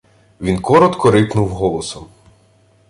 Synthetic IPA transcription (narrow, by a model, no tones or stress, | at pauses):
ʋʲinkɔɾɔt̪kɔɾɪpnuwɦɔlˠɔsɔm